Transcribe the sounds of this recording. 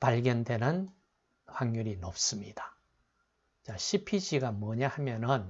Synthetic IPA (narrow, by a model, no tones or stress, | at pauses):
paɭɡjʌnde̞nɯn | ɸwaŋɲuɾinʌp̚s͈ɯmɲid̥ḁ | t͡ɕaɕʰipʰid͡ʑʰiɡamwʌɲahamjʌnɯn